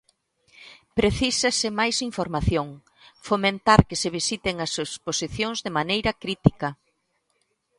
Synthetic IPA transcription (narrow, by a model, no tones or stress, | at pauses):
pɾeθisasɪmajsiɱfoɾmaθjoŋ | fomẽnt̪aɾkɪseβisit̪eŋɐsesposiθjoŋzðemanejɾɐkɾit̪ikɐ